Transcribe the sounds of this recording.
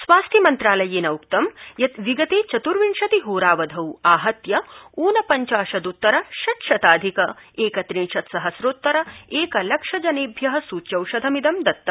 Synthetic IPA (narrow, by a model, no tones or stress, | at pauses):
sʋaːst̪ʰimɐnt̪ɾaːlɐjeːnɐukt̪ɐmjɐt̪ʋiɡɐt̪eːt͡ʃɐt̪uɾʋiɳʃɐt̪iɦuːɾaːʋɐd̪ʱɐwaːɦɐt̪jɐuːnɐpɐɲt͡ʃaːʃɐd̪ut̪ːɐɾɐʃɐt̪ʃɐt̪aːd̪ʱikɐeːkɐt̪ɾinʃɐt̪sɐɦɐsɾoːt̪ːɐɾɐeːkɐlɐkʂɐd͡ʒɐneːbʱjɐɦɐ̆suːt͡ʃɐwʃɐd̪ʱɐmid̪ɐmd̪ɐt̪ːɐ